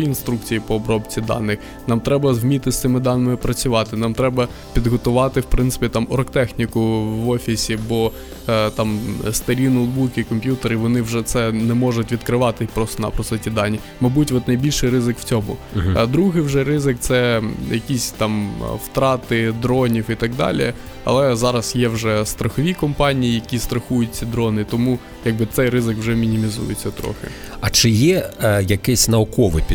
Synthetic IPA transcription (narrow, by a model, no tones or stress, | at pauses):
inst̪ɾuk̚t͡sʲijipɔːbɾɔbt͡sʲid̪ɑ̰nːɪx | nɑmt̪ɾɛbɐzɦmʲit̪ɪsʲt̪sɪmɪd̪ɑnɪmɪpɾɐt͡sʲʊʋɑt̪ɪnɑmt̪ɾɛbɐ | pʲid̪ɦɔt̪ʊʋɑt̪ɪwpɾɪnt̪sɪ̥pʲit̪ɑmɔɾɔkt̪ɛxnʲikʊʋɔfʲisʲibɔ | t̪ɑmst̪ɐɾʲinod̪bukʲɪkɔmpʲjut̪eɾɪʋɔnɪwʒɛt̪sɛnɛmɔʐʊtʲʋʲid̪kɾɪʋɑt̪ɪpɾɔst̪ɔnɐ̰pɾɔst̪ɛtʲid̪ɑnʲːi | mɐjbutʲʋɔt̪nɐjbʲilʲʃɪjɾɪzɪkw̥t͡sʲɔmʊd̪ɾuɦɪjwʒɛɾɪzɪk̚t̪sɛjɐkʲisʲt̪ɑmwt̪ɾɑt̪ɪd̪ɾɔnʲiwit̪ɐɡ̚d̪ɑ̰lʲḭ | ɐ̰lˠɛzɑɾɐsjɛwʒɛst̪ɾɐxɔʋʲikɔmpɑnʲijijɐkʲist̪ɾɐxujʊtʲt͡sʲid̪ɾɔnɪt̪ɔmu | jɐɡ̚bɨt̪sɛjrɪzɪkwʒɛmʲinʲimʲizṵjɪt͡sʲːɐt̪ɾɔ̰xɪ̰ | ɐt͡ʃɪjɛjɐkɛsʲnɐɔkɔʋɪ̰pʲ